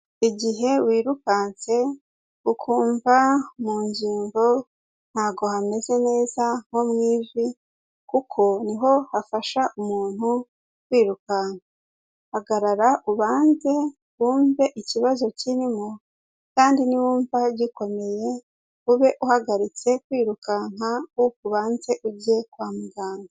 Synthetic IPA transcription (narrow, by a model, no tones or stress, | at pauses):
iɟiɦe̞wiːɾukaːnt͡se̞ | ukʰuːɱvamuːɲɟiːŋɡo̞ | n̥haːɡo̞hame̞ze̞ne̞ːzaŋ̥o̞mŋiːzi | kukʰo̞niɦo̞hafaʃaʔumuːn̥hu | kwiːɾukana | haɡaɾaɾaʔuβaːnze̞ | wuːɱve̞ʔiciβazo̞cinimo | kaːndiniwuːɱvaɟiko̞me̞je̞ | uβe̞ʔuhaɡaɾit͡se̞kwiːɾukaŋ̥aukuβaːnze̞ʔuɟe̞kwaːmuɡaːŋɡa